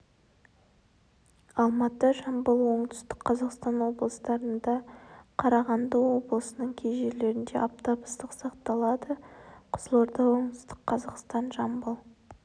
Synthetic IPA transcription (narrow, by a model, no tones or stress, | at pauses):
ɑlˠmɑt̪əʒɑmbəlˠwo̞ɴt̪ʏ̥st̪ɪ̥kqʰːɑzɑqst̪ɑnwo̞blˠəst̪ɑɾənd̪ɑqʰɑɾɑʁɑnd̪əwo̞blˠəsənəɴkʲʰejʒe̞ɾle̞ɾɪnd̪e̞̰ʔɑp̚t̪ɑbəst̪əqsɑqt̪ɑlˠɑd̪əqʰʊzəlˠɑɾd̪ɑwo̞ɴt̪st̪əqqʰːɑzɑqst̪ɑnʒɑmbəlˠ